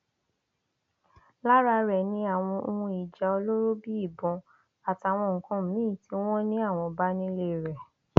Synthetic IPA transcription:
la˦ɾa˧ɾɛ˨nĩ˧˦a˦˨w̃ɔ̃˧o˧hũ˧i˨d͡ʒa˨˧o˧lo˦ɾo˦bi˦i˦˨bɔ̃˨˦ | a˨ta˨w̃ɔ̃˧ŋ̩˨kɔ̃˧m̩˨mĩː˦˨ti˦w̃ɔ̃˦nĩ˦a˦˨w̃ɔ̃˧ba˦nĩ˦le˦˨ɾɛ˨

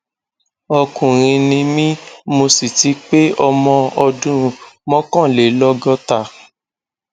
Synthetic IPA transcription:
ɔ˧kũ˨ɾ̃ĩ˧nĩ˧mĩ˦mo˧si˨ti˨˦k͡pe˦ɔ˧mɔ̃˧ɔ˧dũ˦˧mɔ̃˦kɔ̃˦˨le˨˦lɔ˦ɡɔ˦ta˦˨

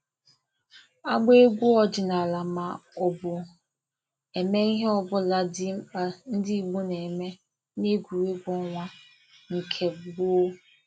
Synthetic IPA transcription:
a˦ɡ͡be˦ɡʷu˦ɔ˦d͡ʒɪ˨na˨la˨ma˨ɔ˨bʊ˨ | e˨me˦i˦ɦe˦ɔ˦bʊ˦la˦di˦k͡pa˨n̩˦dɪ˦i˦ɡ͡bu˦ne˨me˦ | ne˦ɡʷu˨we˦ɡʷɔ˦ŋʷa˦ | ŋ̩˨kʰe˨ɡ͡bʊ˦

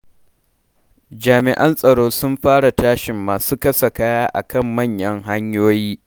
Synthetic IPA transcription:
d͡ʒaː˨mɪ˨ʔɐ˦nsʼɐ˨ɽoː˦sʊ˦mɸaː˦ɽa˨taː˦ʃɪ˨mːaː˨suː˦kɐ˦sɐ˨kaː˦jaː˦ʔa̰˨kɐ˦˨mːɐ˦˨ɲjɐ˦ŋɦa˦ɲjoː˦jiː˦

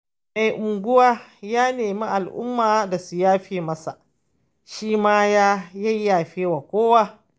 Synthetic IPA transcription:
ma˨jʔʊ˨ŋɡʷʊ˦waː˦jaː˦neː˨mi˦ʔa˨lʔʊ̰˦mːaː˨da˨su˨jaː˦ɸeː˨mɐ˦sa̰˨ | ʃiː˦maː˦jaː˦jɐ˦jːaː˨ɸeː˦wa˨kʷoː˦waː˦

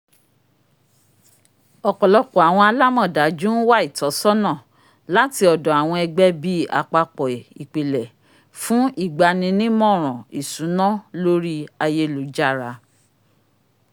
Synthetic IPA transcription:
ɔ˨kɔ˨lɔ˧kɔ˨a˨w̃ɔ̃˧a˧la˦mɔ̃˦˨da˨˦d͡ʒũ˦n̩˦wa˦i˦˨tɔ˨˦sɔ˦nã˦˨ | la˦ti˧ɔ˨dɔ̃˨a˨w̃ɔ̃˧ɛ˧ɡ͡bɛ˦bi˦a̰˧k͡pa˧k͡pɔ˨i˨k͡pe˨lɛ˨ | fũ˦ʔi˦˨ɡ͡ba˧nĩ˧nĩ˦mɔ̃˦˨ɾ̃ɔ̃˨i˨sũ˨˦nã˦lo˦ɾi˦a˧je˧lu˨˦d͡ʒa˦˨ɾa˧˦

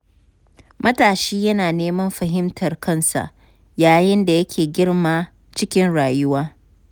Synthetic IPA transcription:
mɐ˦taː˨ʃiː˦jɐ˦naː˨neː˦mɐ˦mɸɐ˨ɦɪ˦mtʰɐ˨rkʰɐ˦nsa̰˨ʔ | jaː˨jɪ˦nda˨jɐ˦kʲʰeː˨ɡʲɪ˦rmaː˦ | t͡ʃɪ˦kʲɪ˦nɽaː˨jʊ˦waː˦

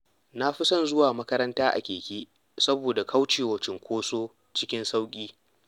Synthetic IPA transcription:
na˦ɸi˦sɔ˦nzʊ˦waː˨mɐ˦kɐ˦ɾɐ˦ntaː˦ʔa̰˨kʲeː˨kʲeː˦ | sɐ˦boː˨da˨kʰɐ˦wt͡ʃeː˨wɐ˨t͡ʃɪ˨ŋkʷoː˦soː˦ | t͡ʃɪ˦kʲɪ˦nsa˦wkʲʼiː˦

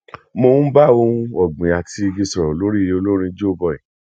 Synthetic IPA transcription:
mo˧ũ˦ba˦˨o˧ũ˧˦ɔ˨ɡ͡bĩ˨a˨ti˧i˧ɡi˧sɔ˨ɾɔ̃˨lo˦ɾi˦˨je˧o˧lo˦ɾ̃ĩ˧d͡ʒo˦o˦˨bɔ˧˨ĩ˨

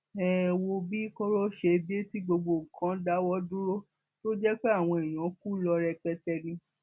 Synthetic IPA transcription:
ɛ˨wo˧bi˦ko˦ɾo˦ʃe˧bi˦e˦ti˦ɡ͡bo˧ɡ͡bo˧˨ŋ̩˨kʰã˨˦da˦wɔ˦dũ˦ɾo˦ | to˦d͡ʒɛ˦k͡pe˦a˦˨w̃ɔ̃˧e˨j̃ɔ̃˨˦ku˦lɔ˧ɾɛ˧k͡pɛ˧tɛ˧nĩ˧

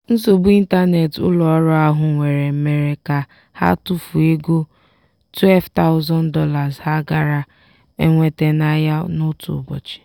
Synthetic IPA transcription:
n̩˦zo˨bu˦i˦n̩˦ta˦ne˨tʊ̰˦lɔ˨ɔ˦ɾɔ˦a˦ɦʊ˨ŋʷe˨ɾe˨m̩˦me˦ɾe˦ka˦ | ha̰˦tu˦fu˨e˦ɡo˦ | twe˦lvta˦ʊ˦zɔ˦n̩˦dɔ˦la˨zha˦ɡa˦ɾa˦ | e˦ŋʷe˦te˦na˦ja˦nʊ˦tṵ˨bɔ̰˨t͡ʃɪ̥˨

